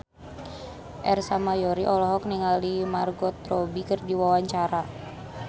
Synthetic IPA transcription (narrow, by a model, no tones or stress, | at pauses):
ʔɛrsamajɔɾiʔɔlɔɦɔk̚niŋalimarɡɔt̪rɔbikɨrdiwawaɲt͡ʃaɾa